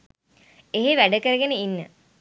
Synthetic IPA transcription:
eɦeʋæɖəkəɾəɡenəinːə̰

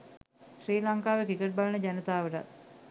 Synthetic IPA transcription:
sɾiːlaŋkaːʋekikəʈ̚balənəd͡ʑænət̪aːʋəʈa̰t̪̚

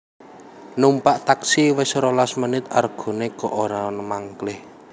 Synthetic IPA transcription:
numpaʔt̪aksiwɪsɾolasmənɪt̪arɡ̥o̤nekɔʔoɾanəmaŋkəlɪh

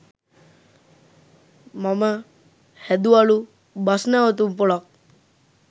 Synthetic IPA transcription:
mamə | hɛd̪uaɭu | basnaɔt̪̬umpuɭɔk̚

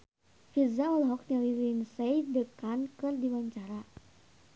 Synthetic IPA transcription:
fizawəlɦɔk̚ɲalilinsɛjdəkankɨrdiwaɲt͡ʃaɾa

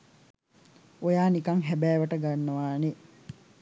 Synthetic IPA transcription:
ojaːnikɐŋɦæbæːʋəʈəɡanːəʋaːne

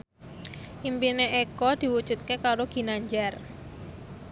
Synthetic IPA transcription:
ʔimpineʔekɔd̪̥i̤wud̥d͡ʒ̥ṳt̪̚kekaɾoɡ̥i̤naɲd͡ʒar

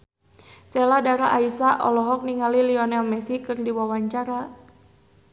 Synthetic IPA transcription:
sɛladaɾaʔaisaʔɔ̰lɔɦɔk̚niŋaliliɔnɛlmɛsikɨrdiwawaɲt͡ʃaɾa

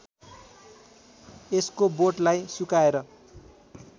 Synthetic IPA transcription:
eskoboʈlajsukaeɾʌ

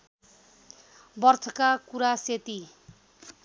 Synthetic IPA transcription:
bʌrt̪ʰʌkakuɾaset̪i

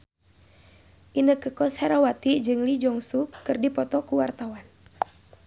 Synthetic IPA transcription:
ʔinəkəkɔshɛɾawat̪id͡ʒɨŋlid͡ʒɔŋsukɨrdipɔt̪ɔkuwart̪awan

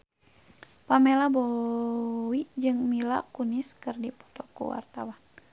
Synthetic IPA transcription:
pamɛlabɔ | wid͡ʒɨŋmila̰kuniskɨrdipɔ̥t̪ɔkṵwa̰rt̪awan

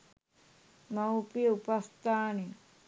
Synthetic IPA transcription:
mɐupiupɐst̪aːni

